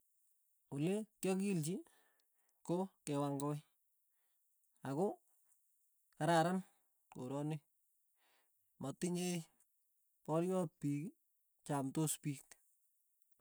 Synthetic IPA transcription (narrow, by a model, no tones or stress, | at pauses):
uletjɔkilt͡ʃi | kokewaŋɡoj | ako | kaɾaɾan | ko̰ɾɔne | mɔtɪɲej | pɔɾjɔpiki | t͡ʃamtospik